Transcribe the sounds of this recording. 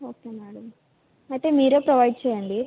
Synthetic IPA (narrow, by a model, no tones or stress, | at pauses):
oːkeːmɛːɽɐm | ɐjt̪e̞ːmiːɾoːpɾɐʋɐjɖ̚t͡ʃɛːjɐɳɖi